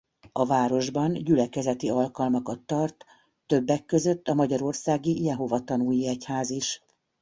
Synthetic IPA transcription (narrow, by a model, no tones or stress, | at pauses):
ɒvaːɾo̞ʒbɒnɟylɛkɛzɛt̪iɒlkɒlmɒkɒt̪ːɒrt̪ː | ø̞bːɛkːø̞zø̞t̪ːɒmɒɟɒɾo̞rsaːɡijɛɦo̞vɒt̪ɒnuːjiɛchaːziʃ